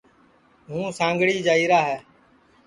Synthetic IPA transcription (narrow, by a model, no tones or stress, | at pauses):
ɦũːsãːŋɡɽiːd͡ʒaːiːɾaːɦɛː